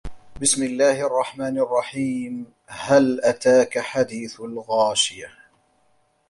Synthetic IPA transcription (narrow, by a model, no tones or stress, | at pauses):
bɪsmɪlːaːhɪʔɑrˤːɑħmaːnʔɑrˤːɑħiːm | halʔat̪aːkaħad̪iːθalɣaːʃɪja